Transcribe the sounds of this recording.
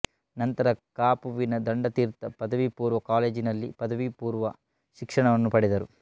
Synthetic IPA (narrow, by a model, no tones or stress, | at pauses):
nɐnt̪ɐɾɐkaːpuʋinɐd̪ɐɳɖɐt̪iːɾt̪ɐpɐd̪ɐʋipuːɾʋɐkaːleːd͡ʒinɐlːipɐd̪ɐʋipuːɾʋɐ | ʃikʂɐɳɐʋɐnːupɐɽid̪ɐɾu